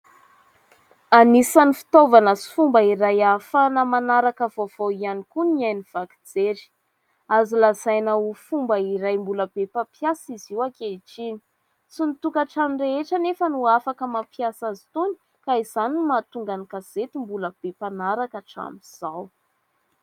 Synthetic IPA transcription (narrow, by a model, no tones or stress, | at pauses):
anisanifi̥t̪ovanəsi̥fumbəiɾajafanəmanaɾakəvov̥oianikuniajniv̥aki̥d͡zeɾi̥ | azilazajnaufumbəiɾajmbuləb̥epapjasiziwakeiʈ͡ʂini̥ | sinit̪ukaʈ͡ʂaminreeʈ͡ʂənefənuafakəmapiasazi̥t̪uni̥ | kaiz̥animat̪uŋɡanikaz̥et̪imbuləb̥epanaɾakaʈ͡ʂa̰miz̥aw